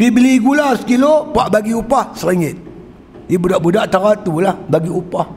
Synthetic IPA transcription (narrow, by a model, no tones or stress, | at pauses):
pibliɡulasə̥kilopaʔbaɡiupahsəɾiŋɪt̪̚ | jebudaʔbudaʔt̪aɾat̪ulahbaɡiupah